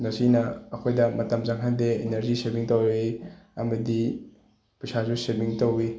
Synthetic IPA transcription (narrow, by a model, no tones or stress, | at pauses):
nɐsinɐːkʰojdɐmɐtɐmzaŋɦandeeneɾzisebiŋtowɾeɐmɐdi | pɐsazusemiŋtowi